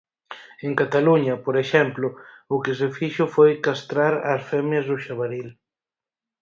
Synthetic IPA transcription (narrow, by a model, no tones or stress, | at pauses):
eŋkat̪aluɲɐpoɾeʃɛmplʊʊkɪsɪfiʃʊfojkast̪ɾaɾasfɛmjɐzðʊʃaβaɾil